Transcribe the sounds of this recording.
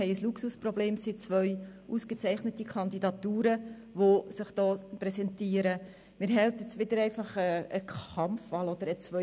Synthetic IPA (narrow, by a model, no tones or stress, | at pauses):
ɛɪəsluksusprɔbleːmsit͡sʋœʏʔuskət͡sɛɪχnətikʰɑnd̪idɑt̪uːɾə | ʋosɪχd̥ɑːpɾɛsɛntiːəɾə | mɪːɾɦɛltət͡sʋɪd̪əɾɛɪfɑχəəkʰɑmfːɑlɔd̥̪əɾət͡sʋœ